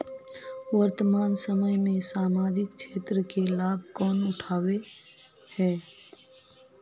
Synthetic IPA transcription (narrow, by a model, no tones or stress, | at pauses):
ʋəɾt̪əmaːnsəməjmẽsaːmaːd͡ʒɪkʃʰeːt̪ɾəkelaːb̚ʱkɔːnʊʈʰaːwe | hɛː